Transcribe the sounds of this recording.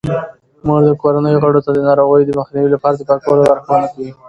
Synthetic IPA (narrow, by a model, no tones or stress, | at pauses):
muʐd̪əkoɾanəjoɣaɽot̪ad̪ənɑɾoɣəjod̪əməxniwilapɑɾad̪əpaɾkoɾawaɾxawanakawi